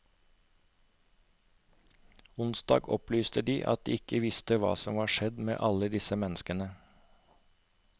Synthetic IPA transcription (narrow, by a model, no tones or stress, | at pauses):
ʊnsd̪ɑ̰ːɡɔ̰plyːst̪əd̪iːʔɑt̪̚d̪ḭːɪkəʋɪst̪əʋɑ̰ːsɔmʋɑːʃɛd̪mḛːʔɑləd̪ɪsəmɛnskənə